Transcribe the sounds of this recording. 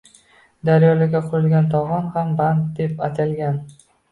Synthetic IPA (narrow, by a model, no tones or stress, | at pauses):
d̪aɾjɒlaɡʲaqʰʊɾɪlɡʲant̪ʰɒʁɒnhambant̪̚d̪e̞pat̪ʰalɡʲan